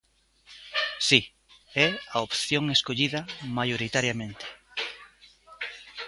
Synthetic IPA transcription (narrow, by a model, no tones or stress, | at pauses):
si | ɛaopθjoŋeskoʎiðɐmajoɾit̪aɾjamẽnt̪ɪ̥